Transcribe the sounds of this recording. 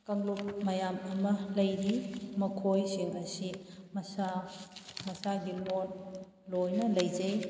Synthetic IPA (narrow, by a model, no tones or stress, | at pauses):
kɐŋlup̚mɐjamɐmɐlɐjɾimɐkʰojsiŋɐsimɐsa | mɐsaɡilon | lojnɐlɐjd͡ʒɐj